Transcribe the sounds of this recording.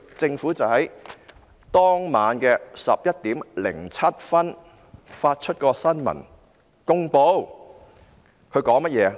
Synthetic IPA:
t͡sɪ˧ŋfuː˨˥t͡sɐ˨whɐ˨˥j | t̪ɔː˥ŋmaː˨˧nkɛː˧sɐ̰˨p̚jɐ˥t̚t̪iː˨˥mlɪ̰˨˩ŋt͡sʰɐ˥t̚fɐ˥n | faː˧t̚t͡ʃʰɵ˥t̚kɔː˧sɐ˥nmɐ̰˨˩n | kʊ˥ŋpo˧w | kʰɵ˧ɥkɔː˨˥ŋmɐ˥t̚jɛː˨˧

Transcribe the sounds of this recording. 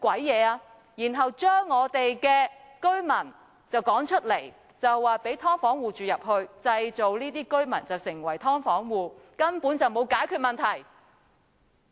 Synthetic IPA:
kwɐ˨˥jːɛː˨˧aː˧ | jiː˨˩nɦɐ˨wt͡ʃœː˥ŋːɔː˨˧t̪e˨jkɛː˧kɵ˥ɥmɐ˨˩n | t͡sɐ˨wkɔː˨˥ŋt͡ʃʰɵ˥t̚le˨˩j | t͡sɐ˨˩wːaː˨pe˨˥jt̪ʰɔː˥ŋfɔː˨˥ŋwuː˨˩t͡ʃyː˨jɐ˨p̚hɵ˧ɥt͡sɐ˧jt͡so˨wliː˥t̪iː˥kɵ˥ɥmɐ˨˩nt͡sɐ˨˩wsɪ˨˩ŋwɐ̰˨˩jt̪ʰɔː˥ŋfɔː˨˥ŋwuː˨˩kɐ˥npuː˨˥nt͡sɐ˨wmo˨˧wkaː˨˥jkʰyː˥˧t̚mɐ˨nt̪ʰɐ˨˩j

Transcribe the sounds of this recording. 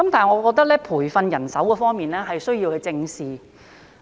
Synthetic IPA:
kɐ˨˦mt̪ʰaː˨˩jŋɔː˨˧kɔː˧k̚t̪ɐ˥k̚lɛː˥pʰuː˨˩jfɐ˧njɐ˨˩nsɐ˨˥wkɔː˧fɔː˥ŋmiː˨nlɛː˥ɦɐ˨jsɵ˥ɥjiː˧whɵ˧jt͡sɪ˧ŋsiː˨

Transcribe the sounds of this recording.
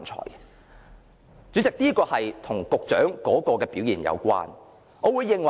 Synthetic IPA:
nt͡ʃʰɔ̰ː˨˩j | t͡ʃyː˨˥t͡sɪ˨k̚niː˥kɔː˧hɐ˨jt̪ʰʊ˨˩ŋkʊ˨k̚t͡ʃœ̰ː˨˥ŋkɔː˨˥kɔː˧kɛː˧piː˨˥wjiː˨˩njʔɐ̰˨˧wkʷa̰ː˥n | ʔɔː˨˧wu˨˧jːɪ˨ŋwɐ˨

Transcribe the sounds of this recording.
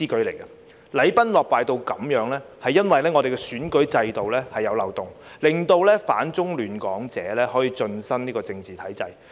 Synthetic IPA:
iː˥kɵ˨˥ɥle˨˩jɡɐ˧ | lɐ˨˥jpɐ˥nlɔː˨k̚paː˨jt̪o˧wkɐ˨˩mjœː˨˥ŋlɛː˥hɐ˨jːɐ˥nwɐ˨jlɛː˥ŋɔː˨˧de˨jɡɛ˧syː˨˥nkɵ˨˥ɥt͡sɐ˧jt̪o˨wlɛː˥hɐ˨jːɐ˨˧wlɐ˨wt̪ʊ˨ŋ | lɪ˨˩ŋt̪o˧wlɛː˥faː˨˥nt͡sʊ˥ŋlyː˨nkɔː˨˥ŋt͡sɛ̰ː˨˥lɛː˥hɔː˨˥jiː˨˧t͡ʃɵ˧nsɐ˥niː˥kɔː˧t͡sɪ˧ŋt͡siː˨t̪ʰɐ˨˥jt͡sɐ˧j

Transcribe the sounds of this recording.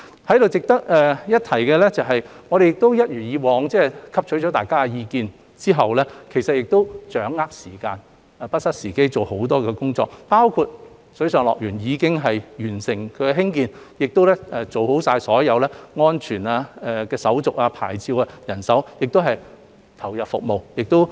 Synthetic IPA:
hɐ˨˥jɾo˨wt͡sɪ˨k̚t̪ɐ˥k̚ɛː˧jɐ˥t̪̚ʰɐ˨˩jkɛː˧lɛ˥t͡sɐ˨wɦɐ˨jŋɔː˨˧ɾe˨jɪ˨k̚t̪o˥wjɐ˥t̚ɥyː˨˩njiː˨˧wɔː˨˧ŋt͡sɛː˥kʰɐ˥p̚t͡ʃʰɵ˨˥ɥt͡ʃɔː˨˥t̪aː˨jkaː˥kɛ˧jiː˧kiː˧n | t͡siː˥ɦɐ˨wlɛ˥kʰe˨˩jsɐ˨t̚jɪ˨k̚t̪o˥wt͡ʃœː˨˥ŋːaː˥k̚siː˨˩kaː˧n | ɛ˧˩pɐ˥t̚sɐ˥t̚siː˨˩ke˥jt͡so˨who˨˥wt̪ɔː˥kɛː˧kʊ˥ŋt͡sɔ̰ː˧k̚paː˥wkʰu˧t̚ | sɵ˨˥sœː˨ŋlɔ̰ː˨k̚jyː˨˩njiː˨˧kɪ˥ŋɦɐ˨jjyː˨˩nsɪ˨˩ŋkʰɵ˨˧ɥkɛ˧ɦɪ˥ŋkiː˧njɪ˨k̚t̪o˥wlɛː˥ɛː˧t͡so˨who˨˥wsaː˧jsɔː˨˥jɐ˨˧wlɛː˥ŋɔː˥nt͡ʃʰyː˨˩naː˧ɛ˧kɛː˧sɐ˨˥wt͡sʊ˨k̚aː˧pʰa̰ː˨˩jt͡siː˧waː˧jɐ˨˩nsɐ˨˥wjɪ˨k̚t̪o˥wɦɐ˨j | t̪ʰɐ˨˩wjɐ˨p̚fʊ̰˨k̚mo˨wjɪ˨k̚t̪o˥w

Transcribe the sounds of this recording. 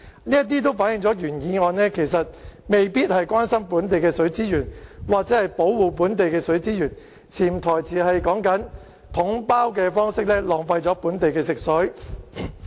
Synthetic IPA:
niː˥jɐ˥t̪̬iː˥t̪̬o˥wfaː˨˥njɪ˨ŋt͡sɔː˨˥jyː˨˩njiː˨˧ŋɔː˨˧nɛː˥kʰe˨˩js̬ɐ˨t̚me˨jpiː˥t̚hɐ˨jkʷwaː˥nsɐ˥mpuː˨˥nt̪e˨jkɛː˧sɵ˨˥ɥt͡siː˥jyː˨˩nwaː˨k̚t͡sɛː˨˥hɐ˨jpo˨˥wwuː˨˩p̬uː˨˥nt̪̬e˨jkɛː˧sɵ˨˥ɥt͡siː˥jyː˨˩n | t͡sʰiː˨˩mt̪ʰɔː˨˩jt͡sʰiː˨hɐ˨jkɔː˨˥ŋkɐ˨˥n | t̪ʰʊ˨˥ŋpaː˥wkɛː˧fɔː˥ŋsɪ˥k̚lɛː˥lɔː˨˩ŋfɐ˧jt͡sɔː˨˥puː˨˥nt̪e˨jkɛː˧sɪ˨k̚sɵ˨˥ɥ

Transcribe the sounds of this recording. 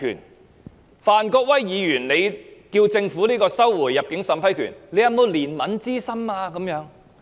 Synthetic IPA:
y̰˨˩n | faː˨˩nkɔː˧k̚wɐ˥jːiː˨˧jyː˨˩nle˨˧jkiː˧wt͡sɪ˧ŋfuː˨˥liː˥kɔː˧sɐ˥wːuː˨˩jːɐ˨p̚kɪ˨˥ŋsɐ˨˥mpʰɐ˥jkʰy̰ː˨˩nle˨˧jɐ˨˧mo˨˧wliː˨˩nmɐ˨˥nt͡siː˥sɐ˥maː˧kɐ˨˥mjœː˨˥ŋ

